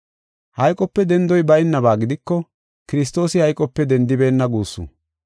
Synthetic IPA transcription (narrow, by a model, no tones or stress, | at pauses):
hɐjkʼɔpːɛd̪ɛnd̪ɔjbɐjɪnːɐbaːɡɪd̪ɪkːɔ | kɪɾɪs̬t̪o̞ːsɪhɐjkʼɔpːɛd̪ɛnd̪ɪbe̞ːnːɐɡuːsːṵ